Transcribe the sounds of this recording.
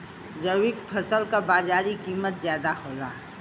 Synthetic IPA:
d͡ʒəwɪkpʰəsəlkabaːd͡ʒaːɾikiːmət̪zjaːd̪ahoːla̰ː

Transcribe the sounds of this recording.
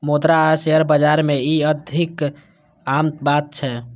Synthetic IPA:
mod̪ɾaseəɾbəd͡ʒaɾmeiəd̪ʱik | amt̪bat̪̚t͡ʃʰɛ

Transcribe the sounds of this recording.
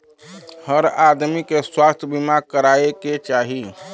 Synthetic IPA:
həɾad̪mikeswast̪ʰjəbimaɡ̚kəɾaeket͡ʃaɦi

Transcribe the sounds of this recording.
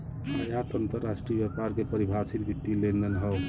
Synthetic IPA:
a̰jat̪ənt̪əɾːasʈɾijbɛpaɾkepəɾibʱasit̪bit̪ːilend̪ənɦəw

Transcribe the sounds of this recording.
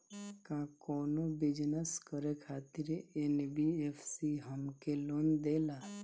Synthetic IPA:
kãkɔːnobɪd͡ʒnəskəɾekʰaːt̪ɪɾenbiepʰsiɦəmkeloːnd̪eːla

